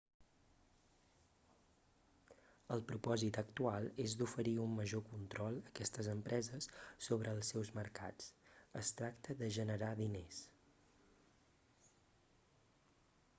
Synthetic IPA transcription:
əlˠpɾupɔzit̪əkt̪ualˠezd̪ufəɾiumːəʒokunt̪ɾɔlˠəkɛst̪əzəmpɾʔɛzəsːoβ̞ɾʔəːlˠsɛwzməɾka̰t͡səst̪ɾakt̪əðəʒənəɾaðines

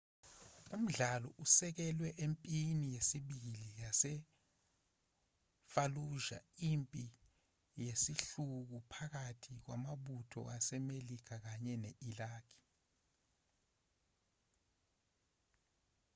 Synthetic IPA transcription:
um̩ɮalɔʔusɛk̬ɛlwɛʔempʼinijesiɓilijasɛ | faluʒa̰impʼi | jesiɬuk̬upʰak̬atʰik̬wamaɓutʰɔ̰ʔasɛmelikʰak̬aɲɛneʔilaːkʰi̥

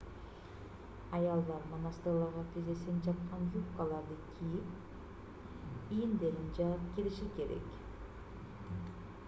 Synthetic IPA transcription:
ɑjɑlˠd̪ɑɾmonɑst̪ɯɾlˠɑɾʁɑt̪ʰezesend͡ʒɑt̪qɑnjupkɑlˠɑɾd̪ɯkʲʰijip | ijnd̪elind͡ʒɑɯp̚kʲiliʃikʲe̞ɾḛk

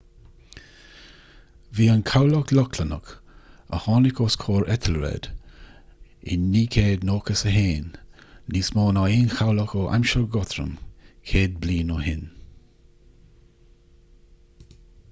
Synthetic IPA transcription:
viːənkʰawlɔklɔkʰlənə̰kə̰hɑːnɪkʰoskʰoːɹɛt̪ʰəlɹɛ̰d̪̥ | ɪ̰nːiːkʰeːd̪noːkəsəɦeːnːismɔːnaiːnxawlɔkoʔa̰mʃəɡɔt̪ɾə̰mkʰeːd̪̚bliːnohɪn

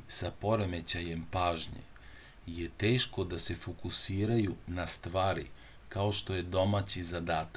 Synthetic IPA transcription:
sapo̞ɾe̞me̞t͡ɕaje̞mpaːʒɲḛ | jet̪eːʃko̞d̪ase̞fokusiːɾajunast̪ʋaːɾḭ | kao̞ʃt̪o̞je̞d̪o̞mat͡ɕizad̪aːt̪a

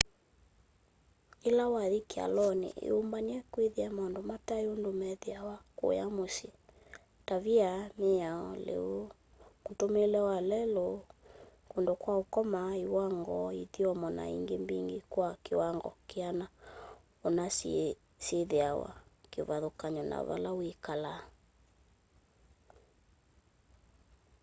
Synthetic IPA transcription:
elawaðikea̰lɔnḛʔḛombaniɛkweðiamandomataeondomɛðeawako̰jamosi | taviameaɔ̰lḛo | kutomelɛwalɛlo | kondokwaokɔmaiwaŋɡɔiðiɔmɔna̰ḭŋɡembiŋɡekwakewaŋɡɔ̰keana | onas | seðeawa̰kevaðokaɲɔna̰va̰lawikala

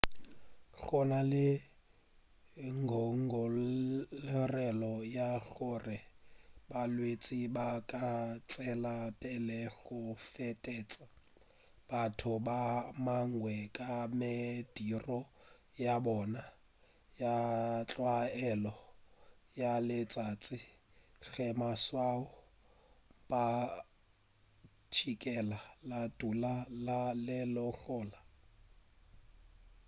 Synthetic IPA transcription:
ɬɔnalɪ | ŋɡʱɔŋɡʱɔ | rɛlɔjaɣʊrɪbalwet͡sʼibakʼat͡sʼɛlapʼɛlɛɣʊfɛtʼɛt͡sʼa | b̥atʰʊbamaŋwɛkʼamɪd̥irɔ | jabɔna | jat͡ɬʼwaɛlɔ | jalɪt͡sʼat͡sʼɪ | ɬɛmaswaʊ | pʼa | t͡ʃʰikʼɛlalatʼulalalɪlɔɬɔːla

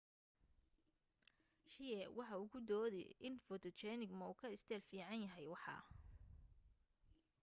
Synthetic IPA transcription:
ʃɪjɛwɑħɑʊɣʊd̪ɔːðɛ̰ʔɪnfɔt̪ʰɔt͡ʃɛnɪɡmɐuːkʰɐɪst̪ʰɛːlfiːʕɑnjɐɦɛjwɑħɑ̰

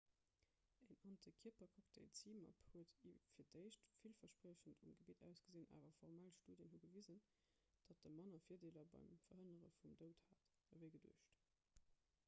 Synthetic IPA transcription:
eŋɑntʰəkʰiɐpɐkʰɔktʰeɪlt͡siːmɑ̰phuətifiːɐdəɪɕtfilfɐʃpʁəːɕəntʰumɡəbitæ̰ʊsɡ̥əzeːnʔa̰ːvɐfɔʁmalʃtuːdjənɦuɡəviːzən | d̥ɑt̚d̥əmɑnɐfiːɐdeːlɐbɑ̰ɪmfɐɦənəʁə̰fumdəʊthaːt | əvəɪɡədṵəʃt

